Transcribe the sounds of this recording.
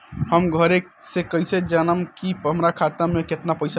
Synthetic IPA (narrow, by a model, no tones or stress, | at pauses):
həmɡʱəɾeksekəised͡ʒənəmkipɦəmɾakʰat̪ameket̪napəjsa